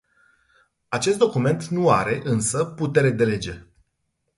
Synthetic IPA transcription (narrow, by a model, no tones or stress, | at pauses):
at͡ʃest̪̚d̪o̞kume̞nt̪nuaɾe̞ʔɨnsəput̪e̞ɾe̞d̪e̞le̞d͡ʒe̞